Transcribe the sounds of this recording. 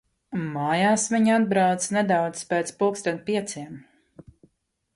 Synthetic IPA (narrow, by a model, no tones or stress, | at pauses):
maːjaːsviɲad̪̚bɾawt̪sned̪awt̪spɛːt̪spukst̪anpiɛt̪siɛm